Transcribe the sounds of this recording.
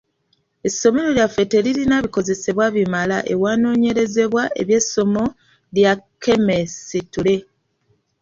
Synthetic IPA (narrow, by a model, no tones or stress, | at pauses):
e̞sːo̞me̞ɾo̞ljafe̞te̞lilinaβiko̞ze̞se̞βwaβimalaʔe̞waːno̞ːɲe̞ɾe̞ze̞βwaʔe̞̰βje̞sːo̞mo̞ | ljake̞mesitule̞